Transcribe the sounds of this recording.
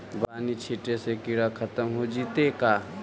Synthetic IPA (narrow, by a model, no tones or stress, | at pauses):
baːnit͡ʃʰiʈesekiɽakʰət̪əmɦod͡ʒiːt̪eka